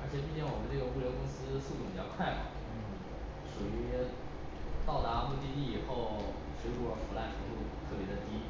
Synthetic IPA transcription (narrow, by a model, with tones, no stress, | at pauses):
ə˞˧˥t͡ɕʰjɛ˨˩p̬i˥˧ɕʰɛ˥˩ŋwɔ˨˩mə˦nʈ͡ʂɤ˥˩ɡə˩u˥˩ljo˧˥kʊ˥ŋsɹ̩˥su˥˩t̪ʰu˧˩pi˨˩t͡ɕjɑ˥˧kʰwa˥˩ɪx | ʂu˨˩y˧˥ | t̪ɑ˥˩ʊt̪a˧˥˧mu˥˧t̪̬i˥˧t̪i˥˩i˨˩xo˥˩ʊ | ʂwe˧˥ɻu˥˩ə˧˥fu˧˥la˥˩nʈ͡ʂʰu˧˥t̪u˥˧t̪ʰɤ˥˩pjɛ˧˥d̪ə˧t̪i˥